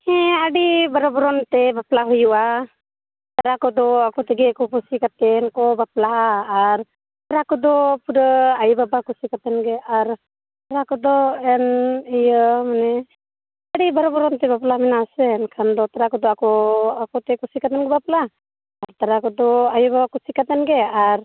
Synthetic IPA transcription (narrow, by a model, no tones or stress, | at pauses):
hɛ̃aɽibaɾɔbɔɾɔnt̪ɛbaplaɦujuʔa | t̪aɾakɔd̪ɔakɔt̪ɛɡɛkɔpusikat̪ɛnkɔbaplaːɾ | t̪aɾakɔd̪ɔpuɾəajbabakusikat̪ɛnɡɛaɾ | t̪aɾakɔd̪ɔɛnejəmanɛ | aɽibaɾɔbɔɾɔnt̪ɛbaplamɛnasenkʰand̪ɔt̪aɾakɔd̪ɔakɔakɔt̪ɛkusikat̪ɛnɡɛbaplaː | ɾt̪aɾakɔd̪ɔajɔbabakusikat̪ɛnɡɛaɾ